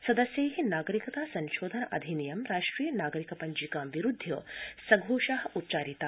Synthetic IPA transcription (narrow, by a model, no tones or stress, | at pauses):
sɐd̪ɐsjɐjɦinaːɡɐɾikɐt̪aːsɐ̃nʃoːd̪ʱɐnɐʔɐ̰d̪ʱinijɐmɾaːʂʈɾiːjɐnaːɡɐɾikɐpɐɲd͡ʒikaːmʋiɾud̪ʱːjɐ̰sɐɡʱoːʃaːɦɐ̆utːt͡ʃaːɾit̪aː